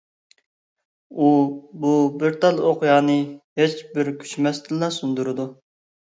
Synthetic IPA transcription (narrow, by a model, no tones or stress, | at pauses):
ububɪɾt̪ɑlˠoqjɑːnɨhet͡ʃbɪɾkʲʰy̥ʃmɛst̪ɪlːɑsund̪uɾɨd̪u